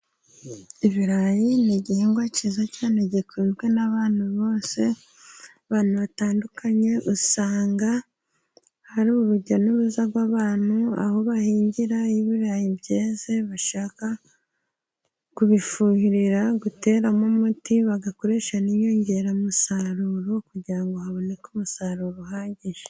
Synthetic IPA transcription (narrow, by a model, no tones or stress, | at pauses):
iβiɾajiniɟihieːŋɡwacizacaːneɟikuiːmɡenaβaːn̥uβo̞ːse̞ | aβaːn̥uβataːndukʰaɲe̞ʔusaːŋɡa | haɾuβuβuɾɟanuβuzaɡwaβaːn̥ua̰ho̞βahiːɲɟiɾaiβiɾajibɟeːze̞βaʃaːka | kuβifuːhiɾiɾaɡute̞ːɾamomutiβaɡako̞ɾe̞ːʃaniɲo̞ːɲɟe̞ɾamusaɾuːɾokuɟiɾaŋɡo̞haβo̞ne̞kumusaɾuɾoɦaːɲɟiʒe